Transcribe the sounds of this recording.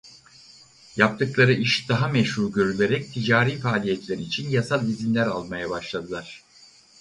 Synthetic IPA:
jap̚t̪ʰɯklˠaɾɯʔiʃd̪̥aɦamɛʃhuɾɟø̞ɾylʲe̞ɾɛc̚t̪ʰid͡ʒaːɾiːfaːlʲijɛt̪lʲeɾiːt͡ʃʰinjasalˠizinlʲæɾalˠmajabaʃlˠad̪ɯlˠaɾ̝̥

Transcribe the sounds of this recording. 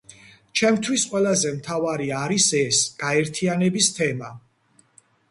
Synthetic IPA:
t͡ʃʰɛmt̪ʰwisqʼwɛlˠazɛmt̪ʰavaɾiaɾisɛsɡ̥aɛɾt̪ʰianɛbist̪ʰɛma

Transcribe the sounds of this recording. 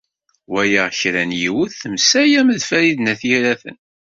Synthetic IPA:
wæjaʁçɾænjiwəθəmsæjæməðfæɾiðnæθjiɾæθə̰n

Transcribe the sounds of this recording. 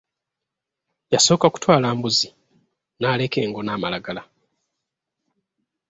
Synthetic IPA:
jaso̞ːkaku̥twaːlaːmbuzi | naːle̞ke̞ːŋɡo̞naːmalaɡala

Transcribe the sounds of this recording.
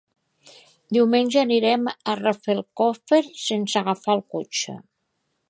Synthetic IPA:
d̪iwmenʲʒəːniɾɛmərəfelˠkofeɾsensəɣafalˠkot͡ʃə̰

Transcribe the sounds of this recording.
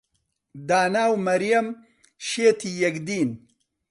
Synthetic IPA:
d̪aːnaːwmɐɾjɐm | ʃeːt̪ijɐkd̪iːn

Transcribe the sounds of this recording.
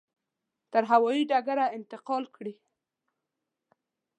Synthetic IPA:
t̪əɾɦawɑjiɖaɡaɾaɪnt̪ɪqɑlkɽi

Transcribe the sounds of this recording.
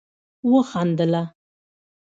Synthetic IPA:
wəxɑnd̪əla

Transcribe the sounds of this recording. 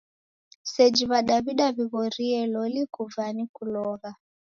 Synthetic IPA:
sɛd͡ʒiβaɗaβiɗaβiβɔɾiɛlɔlikuvanikulɔɣa

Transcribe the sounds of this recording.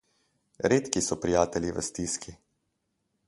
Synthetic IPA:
ɾeːt̪kisɔpɾijaːt̪ɛliʋə̰st̪iskʰi

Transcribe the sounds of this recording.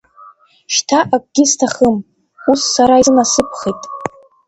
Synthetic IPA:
ʃtʰaʔak̚ʷʼɡʲɪstʰaχəm | usːaɾaizɨnasɨpʰχejtʼ

